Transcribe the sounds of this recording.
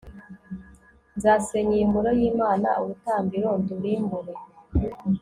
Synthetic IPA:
nzaseɲijimbuɾojiːmaːna̰uɾutaːmbiɾonduɾimbuɾe

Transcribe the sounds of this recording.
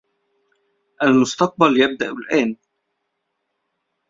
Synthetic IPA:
ʔalmʊst̪ɑq̚baljab̚d̪aʔʊlʔæːn

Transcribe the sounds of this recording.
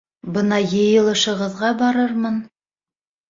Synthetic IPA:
bɤnɑjɤ̆jɤ̆lˠɤ̆ʃɤ̆ʁɤ̆ðʁɑbɑɾɤɾmɤn

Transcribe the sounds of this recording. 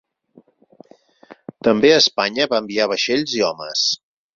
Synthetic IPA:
t̪əmbeəspaɲəβaəmbiaβəʃeʎziɔməs

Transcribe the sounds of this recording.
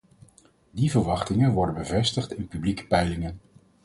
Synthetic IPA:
divəɹʋɑχtɪŋənʋɔɹdənbəvɛstəχtɪnpyblikə̥pɛjlɪŋən

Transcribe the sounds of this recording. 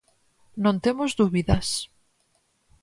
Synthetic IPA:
nõnt̪emozd̪uβiðas

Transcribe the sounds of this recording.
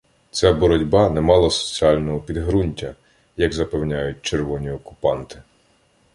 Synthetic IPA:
t͡sʲabɔɾɔdʲbɑnɛmɑlˠɐsɔ̥t͡sʲiɑlʲnɔɦɔpʲid̪ɦɾunʲtʲɐ | jɐɡzɐpɛwnʲajʊt̚ʲt͡ʃerʋɔnʲiɔkʊ̥pɑnt̪ɪ̥

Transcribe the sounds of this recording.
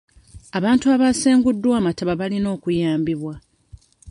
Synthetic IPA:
aβaːntuaβaseːŋɡudːwaːmataβaβalino̞ːkujaːmbiβwa

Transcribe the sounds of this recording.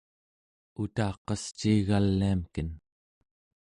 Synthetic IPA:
ut̪ɑːqɑst͡ʃiːɣalːiamkən

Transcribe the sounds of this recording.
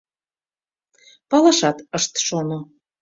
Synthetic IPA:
pɑlɑʃɑt̪əʃt̪ʃono

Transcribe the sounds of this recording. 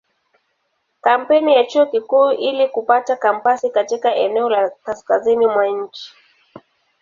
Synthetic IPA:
kam̩pɛnijat͡ʃuɔkikuːʔilikupatakam̩pasikatikaʔɛnɛɔlakaskazinimwaɲ̩t͡ʃi̥

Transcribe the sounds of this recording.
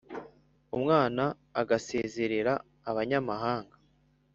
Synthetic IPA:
umŋaːnaː | ɡase̞ːze̞ɾe̞ɾaː | βaɲamaɦaːŋɡḁ

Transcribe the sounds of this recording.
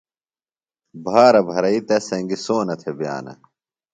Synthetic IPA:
bʱaːɾɐbʱɐɾɐit̪ɐsɐŋɡisoːnɐt̪ʰebja̰ːnɐ̰

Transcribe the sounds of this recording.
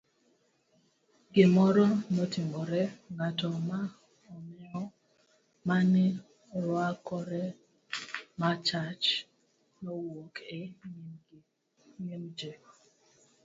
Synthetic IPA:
ɡɪmɔɾɔnotimɔɾɛŋatɔma | ɔmɛɔ | manɪ | ɾwakɔɾɛ | mat͡ʃat͡ʃ | nowoke | ŋimd͡ʒe

